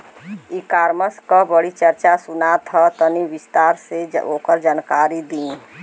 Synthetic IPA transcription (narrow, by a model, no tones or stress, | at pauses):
ikaːɾməskabəɽit͡ʃəɾt͡ʃasʊnat̪ʰat̪əniʋɪst̪aːɾseoːkəɾd͡ʒaːnkaːɾid̪ĩ